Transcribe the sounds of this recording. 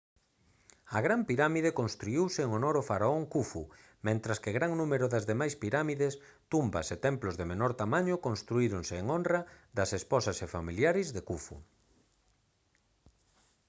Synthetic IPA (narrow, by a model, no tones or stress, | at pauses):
ɐɣɾampiɾamiðekonst̪ɾuiwsɪːŋonoɾofaɾaoŋkufu | mẽnt̪ɾɐskeɣɾaŋnũmeɾʊðɐzðemajspiɾamiðes | t̪umbɐ̰set̪ɛmplozðemenɔɾt̪amãɲʊkonst̪ɾuiɾonseːŋonrɐd̪ɐsespɔsɐsefamiljaɾɪzðekufṵ